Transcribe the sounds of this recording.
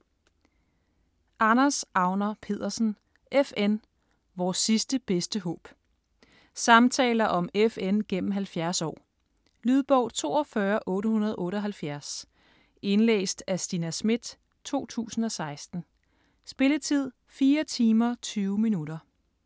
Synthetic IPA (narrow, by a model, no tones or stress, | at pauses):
ʔɑ̈nɐsʔɑ̈ʊnɐpʰe̝ð̞̰ˠɐsn̩ | ʔefen | ʋɒːsːisd̥əb̥esd̥əɦɔ̰̽ːb̥ | sɑ̈mt͡sʰɛ̰ːlɐʔɒ̽mefenɡ̥em̰m̩ɦælfjæɐsɒ̰ː | lyð̞ˠb̥ɒʊ̰t͡sʰo̝̰ːɒ̽fɶːɐʔɔ̽ːɾəhunɐð̞ˠʔɔ̽ːɾəɒ̽ɦælfjæɐs | e̝nlḛːsd̥æsd̥inæsmid̥ | t͡sʰo̝̰ːt͡sʰṵːsn̩ɒ̽sɑ̈ɪsd̥n̩ | sb̥e̝lət͡sʰið̞̰ˠ | fiːɐt͡sʰiːmɐt͡sʰyːʊminuɾɐ